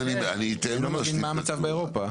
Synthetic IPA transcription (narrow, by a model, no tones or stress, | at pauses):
nianit̪elomevinmaːmat͡savbeeʁo̞pa